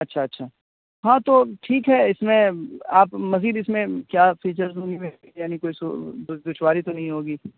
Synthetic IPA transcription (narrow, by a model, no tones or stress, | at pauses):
ɐtːʃʰaɐtːʃʰaː | ɦãːt̪oʈʰiːkɦɛɪsmẽaːpmɐziːd̪ɪsmẽkjaːfiːt͡ʃəɾzɦõːɡimẽ | jaːnikoːiso̰d̪ʊʃwaːɾit̪onɐɦĩɦoːɡiː